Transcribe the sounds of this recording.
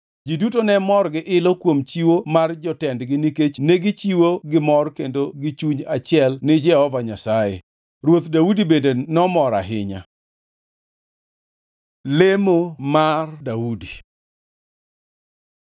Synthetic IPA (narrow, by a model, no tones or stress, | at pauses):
d͡ʒidutonɛmɔrɡɪʔɪlɔkwomt͡ʃiwomard͡ʒɔtɛndɡɪniket͡ʃneɡit͡ʃiwoɡɪmɔrkendoɡɪt͡ʃuɲat͡ʃɪɛlnɪd͡ʒɛhɔvaɲasajḛ | ɾwot̪daudibendenɔmɔɾa̰ɦɪɲa̰ | lemomardaudi